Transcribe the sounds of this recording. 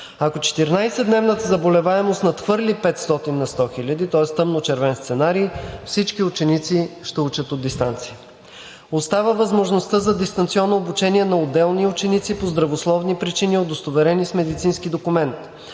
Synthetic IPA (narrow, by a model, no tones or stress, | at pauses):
ɐkot͡ʃɛ̥t̪iɾnajsɛd̪nɛvnət̪əzɐbolɛvaɛmost̪nɐt̪fɤɾlipɛt̪st̪ɔt̪inːɐst̪ɔxilʲɐd̪it̪ɔɛst̪ɤmnot͡ʃɛɾvɛnst̪sɛnaɾijfsit͡ʃkiʊt͡ʃɛnit̪siʃt̪ɛut͡ʃət̪od̪ːist̪ant̪si | ost̪avəvɐzmoʒnost̪əzɐd̪ist̪ɐnt̪siɔnːoːbut͡ʃɛniɛnɐod̪ɛlˠniut͡ʃɛnit̪sipozd̪ɾɐvoslˠɔvnipɾit͡ʃiniod̪ost̪ovɛɾɛnismɛd̪it̪sinskid̪okumɛnt̪